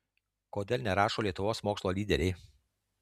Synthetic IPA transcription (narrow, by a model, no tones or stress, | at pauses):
koːd̪ʲeːlʲˠnʲɛɾɑːʃoːlʲiɛt̪ʊʋoːsmoːkslˠoːlʲiːd̪ʲɛɾʲɛɪ